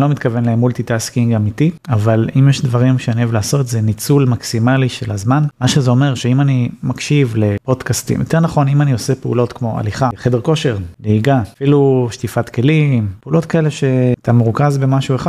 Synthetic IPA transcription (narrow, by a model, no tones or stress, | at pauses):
lo̞mit̪kavenleemːult̪it̪askiŋɡamitiavalimjeʃdvaʁimʃeanievlaːso̞t̪zenit͡sulmaksimaliʃelazmanmaʃezeo̞me̞ʁʃe̞imanimakʃivle̞po̞dkastḭmjot̪eʁnaχo̞nimanio̞sepeṵlo̞t̪kmo̞a̰liχaχede̞ʁko̞ʃe̞ʁleiɡafiluʃtifatke̞limpeulo̞tkaele̞ʃe̞t̪amuʁkazbemaʃueχad